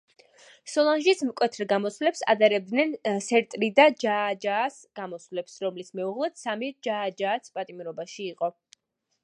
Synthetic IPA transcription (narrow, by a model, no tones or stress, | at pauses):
sɔlˠanʒismkʼwɛt̪ʰɾɡamɔsvlɛpsa̰d̪aɾɛb̚d̪nɛnsɛɾt̪ʼɾid̪ad͡ʒaːd͡ʒaːs | ɡ̥amɔsvlɛpsɾɔmlismɛuʁlˠɛd̪̥samid͡ʒaːd͡ʒaːt̪sʰpʼat̪ʼimɾɔbaʃiːqʼɔ